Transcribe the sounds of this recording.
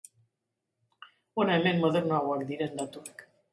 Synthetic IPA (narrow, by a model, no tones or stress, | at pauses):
onaemenmoðernoawakd̪iɾend̪at̪uek